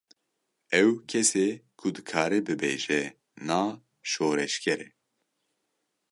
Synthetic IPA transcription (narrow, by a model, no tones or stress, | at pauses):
ɛwkʰɛseːkʰud̪ɨkʰaːɾɛbɨbeːʒɛ | naː | ʃoːɾɛʃkʰɛɾɛ